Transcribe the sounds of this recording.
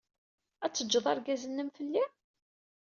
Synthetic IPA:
æt͡sːəd͡ʒːəðˤɑɾɡæzənːəmfəlːi

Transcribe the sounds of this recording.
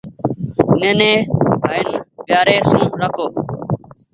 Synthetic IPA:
ɪnẽːnẽːɦaːɪnɓɪjaːɾeːsũːɾəkʰoː

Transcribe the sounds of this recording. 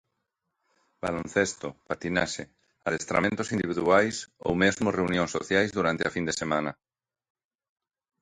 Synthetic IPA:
ba̰lõn̟θest̪opat̪inaʃe | aðest̪ɾa̰mẽnt̪osind̪iβiðuajso̰wmezmʊreunjõŋsoθjajzðuɾant̪ɪafind̪esemãnɐ

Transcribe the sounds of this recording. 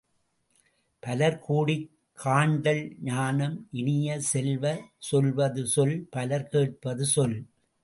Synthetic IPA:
pɐlɐɾkuːɽɪ | kʰːaːɳɖɐlɲaːnɐmʔɪnɪjɐsɛlʋɐsɔlʋɐðɯsɔlpɐlɐɾkeːʈ̚pɐðɯsɔl

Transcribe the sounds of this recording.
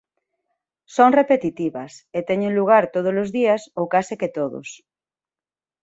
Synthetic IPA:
soŋrepet̪it̪iβɐset̪ɛɲeŋluɣ̞aɾt̪oð̞ozlozðiasowkaseket̪oðo̰s

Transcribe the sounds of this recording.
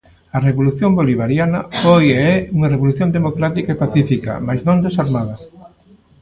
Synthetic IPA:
ɐreβoluθjoŋboliβaɾjanɐfojeɛuŋɐreβoluθjõnd̪emokɾat̪ikaepaθifikɐ̰majznõŋd̪esaɾmaðɐ

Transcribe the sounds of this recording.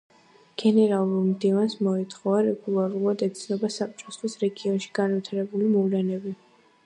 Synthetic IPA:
ɡ̥ɛnɛɾalˠuɾmd̪ivansmɔit̪ʰχɔvaɾɛɡulˠaɾulˠad̪ɛt̪sʰnɔbasap̚t͡ʃʼɔsχisɾɛɡiɔnʃi̥ɡanvit̪ʰaɾɛbulimɔvlɛnɛbi

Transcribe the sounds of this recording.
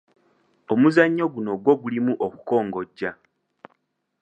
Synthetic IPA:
o̞muzaɲːo̞ɡuno̞ɡwo̞ɡulimuʔoku̥ko̞ːŋɡo̞ɟːa

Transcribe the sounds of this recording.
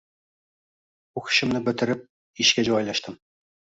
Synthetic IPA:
uχɕɘ̆mnɤbɘ̆t̪ɘ̆ɾɘp̚ | iɕkʲæʑuʁɑjlˠɑʃt̪ɤm

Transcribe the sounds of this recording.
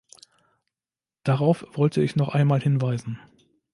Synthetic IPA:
d̥aʁaʊfv̥ɔltʰəɪçnɔχʔaɪnmaːlhɪnvaɪzn̩

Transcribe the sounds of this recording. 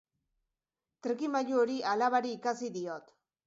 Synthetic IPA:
t̪ɾeɣimaʎuoɾiʔalaβaɾiːkasiðio̞t̪

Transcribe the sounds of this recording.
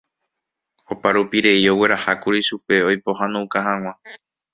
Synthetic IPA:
opaɾupiɾe̞io̞we̞ɾahakuɾiʃupe̞ojpoɦãnũkaɦãŋ̃ʷã

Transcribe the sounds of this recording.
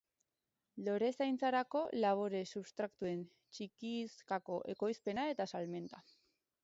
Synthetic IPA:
lo̞ɾe̞sajnt͡saɾako̞laβ̞oɾe̞suβst̪ɾakt̪ue̞n | t͡ʃikiskako̞ʔe̞ko̞jspe̞nae̞t̪asalme̞nt̪a

